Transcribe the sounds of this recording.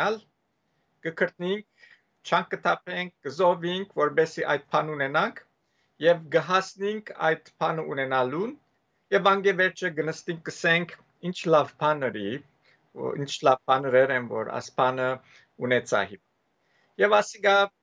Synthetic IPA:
ɑl | ɡ̥əkʰəɾt̪niŋk̚ | t͡ʃʰɑŋkɡət̪ʰɑpʰɛŋk̚ʰɡ̥əzɔviŋkʰvɔɾbɛsiʔɑ̰jt̪̚pʰɑnunɛnɑŋkʰ | jɛvɡəɦɑsniŋkʰɑ̰jd̪pʰɑnəʔunɛnɑlun | jɛvɑŋɡɛvɛɾt͡ʃʰəɡənəst̪iŋk̚ɡəsɛŋkʰ | int͡ʃʰlɑvpʰɑnəɾi | ḭnt͡ʃʰlɑv̥pʰɑnəɾɛɾɛnvɔ̰ɾɑ̰spʰɑnə | unɛt͡sʰɑ̰hi | jɛvɑsiɡɑ

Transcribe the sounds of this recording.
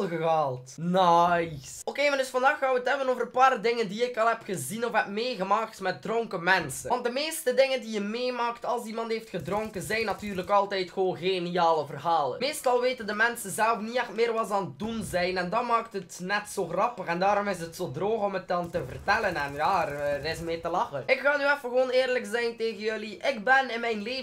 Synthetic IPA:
lˠɣəɣaːlˠtnajsokeːmɛndɵsfɑndaːxaːʋətɦɛbənoːvərəpaːrdɪŋəndiɪkɑlˠɦɛpxəzinɔfɦɛpmeːɣəmaːk̚tmɛt̚drɔŋkəmɛnsəʋɑnt̚dəmeːstədɪŋəndijəmeːmaːktɑlˠsimɑntɦeːftxədrɔŋkənzɛjnɑtyːrləkɑlˠtɛjtxəoːnɣeniaːləvərɦaːlˠə̰nmeːstɑlˠʋeːtəndəmɛnsənzɛlvəniɛxtmɪːrʋɑz̬aːnət̚dunzɛjnɛndɑnmaːktɦətnɛtsoːxrɑpəxɛndaːɾɔmɪs̬ətsoːdroːxɔmət̚dɑntəvə̰rtɛlənɛnjaɾɪsmɪːrtəlɑxənɪkxaːnyɛfəɣəʋoːneːrləksɛjnteːɣənjɵliʔɪɡbɛnɪnmɛjnleː

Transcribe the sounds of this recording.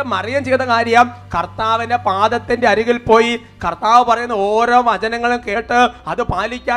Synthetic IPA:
mɐrijɐmt͡ɕejt̪ːɐkaːɾjjamkɐrt̪aːʋinde̞paːd̪ɐt̪ːinde̞ɐɾiɣilpo̞ːji | kɐrt̪aːʋɨpɐrɐjunːɐoːɾo̞ːʋɐd͡ʑɐnɐŋːɐɭumke̞ːʈːɨɐðɨpaːlikʲːaː

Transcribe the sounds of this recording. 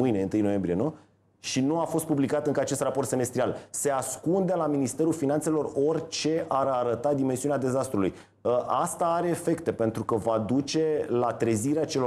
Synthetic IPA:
mɨjne̞ɨnt̪ɨjno̞je̞mbɾie̞nu | ʃinuafo̞st̪̚publikat̪ɨŋkəat͡ʃe̞st̪rapo̞rt̪se̞me̞st̪ɾialse̞askund̪elaminist̪e̞ɾulfinant̪se̞lo̞ro̞rʲt͡ʃe̞aɾaɾət̪ad̪imensiunad̪e̞zast̪ɾuluj | əʔast̪aaɾe̞ːfe̞kt̪e̞pe̞nt̪ɾukəvad̪ut͡ʃe̞lat̪ɾeziɾeat͡ʃe̞lo

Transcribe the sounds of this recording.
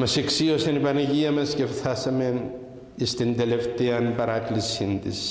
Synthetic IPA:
mɐseksio̞sɐnipɐnɐʝiɐmɐscefθɐsɐme̞n | ist̪ind̪e̞le̞ft̪eɐnpɐɾɐklisint̪is

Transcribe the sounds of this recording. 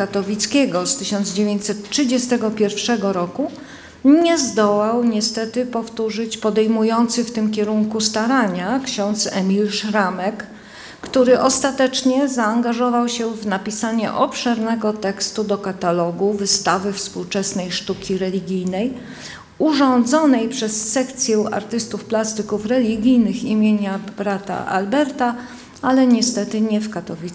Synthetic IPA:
at̪ɔlʲit̪skʲeɡɔst̪ɘɕɔnd̪zd͡ʑevʲjeɲt͡ɕʲsɛt̪ʂɘd͡ʑɛst̪ɛɡɔpʲjɛɾfʂɛɡɔɾɔku | ɲɛzd̪ɔwawɲɛst̪ɛt̪ɘpɔft̪uʐɘt͡ɕpɔd̪ɛjmujɔnt̪sɘft̪ɘmkʲɛɾuŋkust̪aɾaɲakɕɔnt̪sɛ̰mʲilʂɾamɛkː | t̪uɾɘʔɔst̪at̪ɛt͡ʂɲɛzaːŋɡaʐɔvawɕɛvnapʲisaɲɛ̰ʔɔpʂɛɾnɛɡɔt̪ɛkst̪ud̪ɔkat̪alɔɡuvɘst̪avɘfspuwt͡ʂɛsnɛjʂt̪ukʲiɾɛlʲiɡʲijnɛj | uʐɔnd̪zɔnɛjpʂɛsːɛkt̪sʲjɛwa̰ɾt̪ɘst̪ufplast̪ɘkufɾɛlʲiɡʲijnɘximʲjeɲabɾat̪a̰a̰lbɛɾt̪a | alɛɲɛst̪ɛt̪ɘɲɛfkat̪ɔvʲi

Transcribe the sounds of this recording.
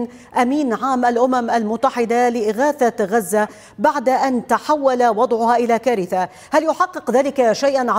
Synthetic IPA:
n | ʔamiːnʕaːmʔalʔʊmamʔalmʊt̪ːaħɪd̪alɪʔɪɣaːθaɣazːa | baʕd̪aʔant̪aħawːalawɑd̪ˤʕʊhaʔɪlaːkaːɾɪθa | haljʊħɑqːɨqðaːlɪkaʃajʔanʕa

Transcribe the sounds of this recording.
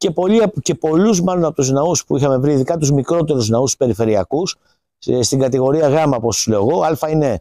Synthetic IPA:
ce̞po̞liɐpce̞po̞luzmɐlo̞nɐpot̪uznɐuspuixɐme̞vɾiiðikɐt̪uzmikɾo̞t̪e̞ɾuznɐust̪u̥spe̞ɾife̞ɾiɐkus | st̪iŋɡɐt̪iɣo̞ɾiɐɣɐmɐposslo̞ɣoɐlfɐine̞

